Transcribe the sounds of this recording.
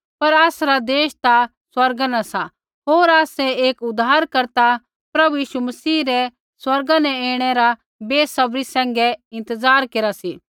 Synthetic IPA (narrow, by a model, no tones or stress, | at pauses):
pɐɾaːsɾad̪eːʃt̪a | swɐɾɡanasa | ɦoːɾaːsɛeːkʊd̪aːɾkɐɾt̪a | pɾɐbujiːʃumɐsiːɾɛ | swɐɾɡãnɛ̃eːɽ̃ɛɾa | beːsɐbɾisɛ̃ːŋɡɛɪ̃nt̪əzaːɾkeːɾasi